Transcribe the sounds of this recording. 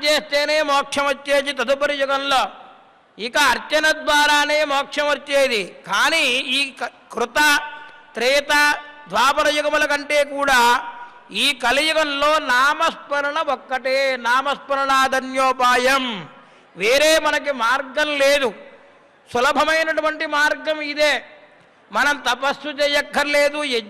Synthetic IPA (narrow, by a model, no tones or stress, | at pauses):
t͡ʃeːst̪e̞ːneːmɔːkʂɐmʋɐt͡ʃːeːd̪it̪ɐd̪upɐɾijuɡɐmloː | ikɐːɾt͡ʃɐnɐd̪ʋaːɾaːneːmɔːkʰʂɐmʋɐt͡ʃːeːd̪ikaːniː | kɾut̪ɐt̪ɾiːt̪ɐd̪ʱʋaːpɐɾɐjuɡɐmulɐkɐɳʈe̞ːkuːɽaː | iːkɐlijukɐnlo̞ːnaːmɐspɐɾɐɳɐɔkːɐʈeːnaːmɐspɐɾɐɳaːd̪ʱɐnjoːpaːjɐm | ʋeːɾeːmɐnɐk̬imaːɾɡɐmleːd̪u | sulɐbʱɐmɐjnɐʈuʋɐɳʈimaːɾɡɐmid̪eː | mɐnɐmt̪ɐpɐsːut͡ʃeːjɐkːɐɾileːd̪u